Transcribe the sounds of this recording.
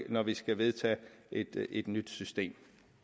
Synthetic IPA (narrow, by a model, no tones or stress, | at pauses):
nɒʋisɡ̥æʋe̝ð̞ˠt͡sʰɛ̰ːʔed̥e̝d̥nyd̥sysd̥e̝̰ːm